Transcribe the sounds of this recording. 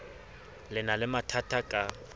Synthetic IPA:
lɪnalɪmatʰatʰakʼa

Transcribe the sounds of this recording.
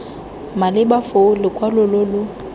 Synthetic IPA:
malɪbafolɪkʼwalʊlolʊ

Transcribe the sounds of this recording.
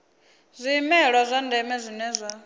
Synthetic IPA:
zʷiːmɛɺwazʷandɛmɛzʷinɛzʷa

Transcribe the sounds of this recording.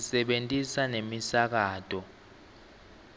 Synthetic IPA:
sɛɓentʼisanemisak̬aːtʰʼɔ

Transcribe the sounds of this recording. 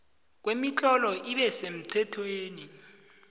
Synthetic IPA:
k̬wemit͡ɬʰʼɔlɔʔiɓɛsem̩ǀʰɛtʰweːni

